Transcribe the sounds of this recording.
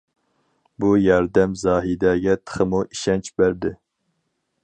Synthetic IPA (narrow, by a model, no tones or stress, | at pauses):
bujɑɾd̪ɛmzɑːɦid̪ɛɡʲɛt̪ʰə̥χəmuʔiʃɛnt͡ʃʰbæɾd̪ɪ